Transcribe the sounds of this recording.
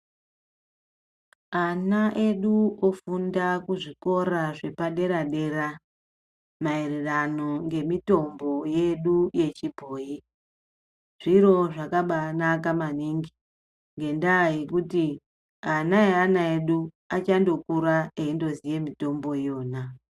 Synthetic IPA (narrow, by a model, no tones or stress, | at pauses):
anaʔe̞ɗuofundakuʐiko̞ɾaʐe̞paɗe̞ɾaɗe̞ra | maererano̞ŋɡe̞mito̞mbo̞je̞ɗuje̞t͡ʃibʱoːji | ʐ̥iro̞ʐakaɓanak̬amaniŋɡi | ŋɡe̞ndaje̞kuti | anaeanaeɗu | at͡ʃando̞kuɾaeindo̞zije̞mito̞mbo̞jo̞ːna